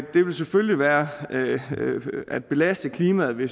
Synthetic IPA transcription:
d̥e̝ʋe̝lsefølliʋæːɐ | æd̥̚b̥e̝læsd̥əkʰliːmæð̩ˠʋe̝s

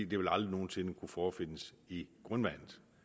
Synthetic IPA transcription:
ḭːd̥eʋe̝lɑ̈ld̥ʁino̝ːn̩se̝nəkʰufɒːfe̝n̰əs | iɡ̥ʁœnʋæn̰ð̩ˠ

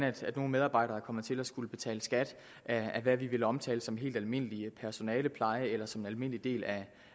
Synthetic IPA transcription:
næd̥æd̥no̝ːn̩með̞ˠɑ̈ːb̥ɑ̈ɪ̰ɾ̥ɐːkʰɒ̽mð̩ˠt͡sʰe̝læsɡ̥uləb̥e̝t͡sʰɛ̰ːləsɡ̥æd̥ | ʔææʋæʋiʋe̝ləɒ̽mt͡sʰɛ̰ːləsɒ̽mɦe̝̰ːld̥ælme̝n̰liəpʰæɐso̝nɛːləpʰlɑ̈ɪəelɐsɒ̽me̝nælme̝n̰lid̥e̝̰ːlæ

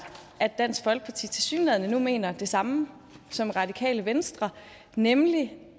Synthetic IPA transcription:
æd̥ːæn̰sɡ̥fɒ̽lɡ̥əpʰɑ̈t͡sʰḭːt͡sʰe̝lsy̰ːnlɛðˠnənume̝̰ːnɐd̥e̝sɑ̈mə | sɒ̽mʁɑ̈dikʰɛ̰ːləʋensd̥ʁɐ | nemli

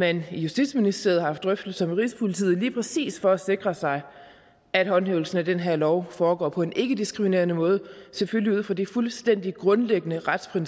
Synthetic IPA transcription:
menjusd̥id̥sminisd̥e̝ɐhɑhɑ̈fd̥ʁœfd̥l̩ˠsɒ̽mʁispʰolit͡sʰḭːð̩ˠliːpʰʁɛsḭːsfɒ̽æse̝ɡ̥ʁɐsɑ̈ɪ | æd̥hɒ̽nɦḛːʊl̩sn̩æd̥enɦeɐ̰lɒʊfɒːɡ̥ɒ̰ːpʰɒ̽e̝nʔe̝ɡ̥əd̥isɡ̥ʁimine̝̰ːɐnəmɔ̽ːð̞ˠəseføliuð̰ˠfɒ̽d̥ifulsd̥en̰d̥iɡ̥ʁɔ̽nleɡ̥ənəʁad̥spʰʁin

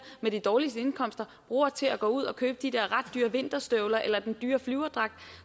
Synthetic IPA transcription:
med̥id̥ɒːlisd̥əe̝nkʰɒ̽m̰sd̥ɐb̥ʁṵːɐt͡sʰe̝læɡ̥ɔ̰̽ːuð̞̰ˠɒ̽kʰøːb̥əd̥id̥eɐ̰ʁɑ̈d̥ːyːɐʋe̝n̰d̥ɐsd̥œʊlɐʔelɐd̥end̥yːɐflyʊɐd̥ʁɑ̈ɡ̥̚d̥

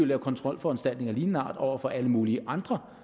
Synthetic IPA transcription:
ylækʰɒ̽nt͡sʰʁɒ̽l̰fɒ̽ænsd̥æl̰d̥ne̝ŋɐliːnnɑ̰̈ːd̥ɒʊ̰ɐfɒ̽ʔæləmuːliəʔɑ̈nd̥ʁɐ

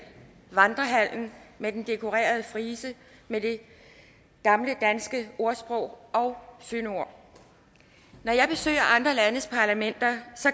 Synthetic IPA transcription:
ʋɑ̈nd̥ʁɐɦæl̰n̩med̥end̥e̝kʰo̝ʁḛːɐð̞̩ˠəfʁiːsə | med̥e̝ | ɡ̥ɑ̈mləd̥ænsɡ̥əo̝ɐsb̥ʁɔʊ̰ʔɒ̽ʊsøno̝ɐ̰ | nɒjɑ̈ɪb̥e̝sø̰ːɐʔɑ̈nd̥ʁɐlænəspʰɑ̈læmen̰d̥ɐsɒ̽

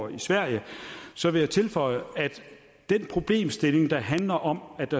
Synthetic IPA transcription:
isʋæɐ̰jəsɒ̽ʋe̝jɑ̈ɪt͡sʰe̝lfɒ̽ɪəæd̥ | d̥enpʰʁo̝b̥le̝̰ːmsd̥e̝le̝ŋd̥ɑ̈ɦænlɐʔɒ̽mæ̥ɑ

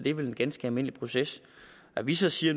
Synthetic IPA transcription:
d̥e̝ʋe̝le̝nɡ̥ænsɡ̥əælme̝n̰əlipʰʁo̝ses | æʋisɒ̽siːɐn

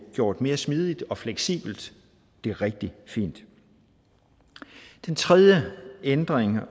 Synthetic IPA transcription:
ɡ̥jo̝ːɐ̰d̥me̝ːɐsmiːð̞ˠid̥ɒ̽fleɡ̥sḭːb̥l̩d̥ː | e̝æʁɛɡ̥̚d̥ifḭːnd̥ | d̥ent͡sʰʁɛðˠjəend̥ʁeŋ

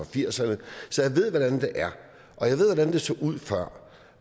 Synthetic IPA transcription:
ɒfiɐ̰sɐnəsɒ̽jäɪʋe̝ð̞̰ˠʋɒɾ̥ænd̥e̝ʔæɐ | ʔɒ̽jäɪe̝ð̞̰ˠʋɒdænd̥e̝sɒːʔuð̞̰ˠfɶɐ̰

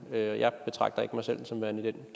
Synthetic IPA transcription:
øɒjʔɑ̈ɪb̥e̝t͡sʰʁɑ̈ɡ̥d̥ɐe̝ɡ̥əmɑ̈ɪsel̰sɒ̽mʋæɐnid̥enɡ̥

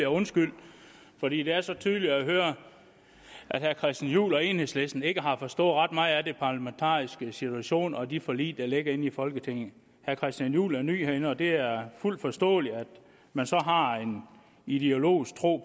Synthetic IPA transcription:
eɔ̽nsɡ̥yl̰d̥ | fɒ̽d̥ḭːd̥e̝æɐsɒ̽t͡sʰyːð̞ˠli̥æɦøːɐ | ʔæd̥hæɐkʰʁɛsd̥æn̩jṵːlɒ̽e̝nhe̝sle̝sd̥n̩e̝ɡ̥əɦɑ̈fɒ̽sd̥ɔ̽ːð̩ˠʁɑd̥mɑ̈ːð̩ˠæd̥epʰɑ̈læment͡sʰɑ̰̈ːisɡ̥əsit͡sʰuæɕo̝̰ːnɒ̽d̥ifɒ̽lḭ̥ːɑ̈le̝ɡ̥ɐe̝nifɒ̽lɡ̥ət͡sʰe̝ŋ̰̩ˠ | hæɐkʰʁɛsd̥ænjṵːlæɐny̰ːheɐenəɒ̽d̥e̝æɐful̰d̥fɒ̽sd̥ɔ̰̽ːliæd̥ | mænsɒ̽ɦɑ̈e̝n | id̥e̝o̝lo̝̰ːisɡ̥̚t͡sʰʁo̝̰ː

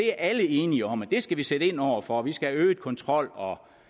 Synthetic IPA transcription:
e̝æɐʔæləe̝ːniəɒ̽m̰æd̥e̝sɡ̥æʋiseɾəe̝nɒʊ̰ɐfɒ̽ʋisɡ̥ææøːkʰɒ̽nt͡sʰʁɒ̽l̰ɒ̽

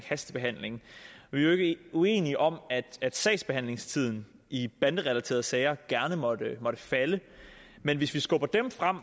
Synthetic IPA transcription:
hæsd̥əb̥e̝ɦæn̰le̝ŋʋie̝ɡ̥əue̝̰ːniʔɒ̽m̰æd̥æd̥sɛ̰ɪsb̥e̝hæn̰le̝ŋst͡sʰið̞̰ˠn̩ | ʔib̥ænd̥əʁɛlæt͡sʰe̝̰ɐð̞ˠsɛɪɐɡ̥æɐnəmɒdəmɒ̽ɾ̥əfælə | menʋe̝sʋisɡ̥ɔ̽b̥ɐd̥emfʁam̰

